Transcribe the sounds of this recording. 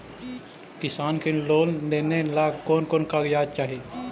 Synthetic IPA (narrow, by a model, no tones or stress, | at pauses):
kɪsaːnkeloːlleːnelaːɡkoːnkoːnkajaːd̪̚t͡ʃaːɦieː